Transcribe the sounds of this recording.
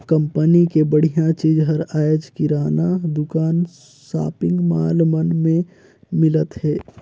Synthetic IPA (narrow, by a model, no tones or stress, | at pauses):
kə̃mpənikebəɽ̤ijãt͡ʃiːd͡ʒɦəɾaːjəd͡ʒkiɾaːnad̪ʊkaːn | sa̰ːpɪ̃ŋɡmaːlmənmẽ | mɪlət̪ɦɛː